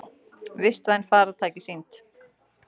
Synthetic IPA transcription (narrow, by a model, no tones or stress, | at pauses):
vɪst̪vajnfaːɾat̪ʰaːjcɪsint̪